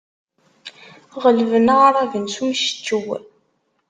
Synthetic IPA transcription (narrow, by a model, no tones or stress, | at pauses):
ʁəlvənaʁaɾˤavənsunʃə̥t͡ʃːəw